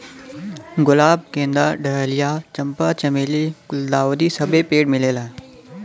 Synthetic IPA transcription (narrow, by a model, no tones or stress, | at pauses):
ɡʊlaːb̚kẽːnd̪aːɖɐɦəlijaːt͡ɕɐ̃mpat͡ɕɐmeːlikʊld̪aːʋod̪isɐbʱepeːɖmɪleːlaːe